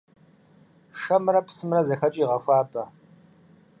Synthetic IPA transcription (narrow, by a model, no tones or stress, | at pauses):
ʂɐmɾɐpsɨmrɐzɐxɐt͡ʃʼiːʁɐʃʷaːbɐ